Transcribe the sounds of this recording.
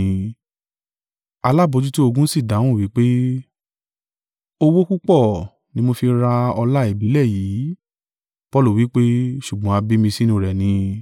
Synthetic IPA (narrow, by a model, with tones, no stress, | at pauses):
a˧la˦˨bo˨˧d͡ʒu˦to˦o˧ɡũ˦si˦˨da˨˦w̃ũ˦˨wi˨˦k͡pe˦ | o˧wo˦ku˦k͡pɔ˦˨ | nĩ˦mo˧fi˧ɾa˧ɔ˧la˦e˦˨bi˨˦lɛ˦˨jiː˨˦ | pɔ˦lu˦˨wi˨˦k͡pe˦ʃu˦˨ɡ͡bɔ̃˨˦a˧bi˦mĩ˧si˦nũ˧˨ɾɛ˨nĩ˧